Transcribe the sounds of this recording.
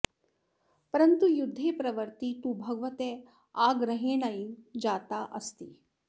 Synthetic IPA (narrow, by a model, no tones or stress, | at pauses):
pɐɾɐnt̪ujud̪ʱːeːpɾɐʋɐɾt̪it̪ubʱɐɡɐʋɐt̪eː | aːɡɾɐɦeːnɐjid͡ʒaːt̪aːʔɐst̪i